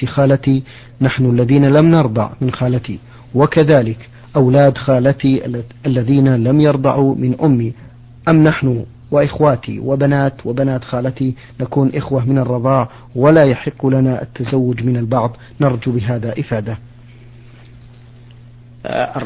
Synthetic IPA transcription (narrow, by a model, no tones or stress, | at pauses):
xaːlat̪i | naħnʊʔalːaðiːnalamnɑɾˤd̪ˤɑ̰ʕmɪnxaːlat̪i | wakaðaːlɪk | ʔawlaːd̪xaːlat̪iʔalːaðiːnalamjɑɾˤd̪ˤɑʕumɪnʔʊmːi | ʔamːnaħnʊ | wɪʔɪxwaːt̪ḭwɪbanaːt̪wabanaːt̪xaːlat̪i | nakuːnʔɪxwamɪnɑrˤːɑd̪ˤɑːʕ | walaːjaħɪqːlanaʔa̰t̪ːazawːʊd͡ʒmɪnalbɑʕðˤ | nɑɾˤd͡ʒubɪɦaːðaʔɪfaːd̪a